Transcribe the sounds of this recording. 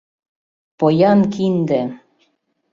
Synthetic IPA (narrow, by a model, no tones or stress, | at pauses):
pojɑnkʰind̪ĕ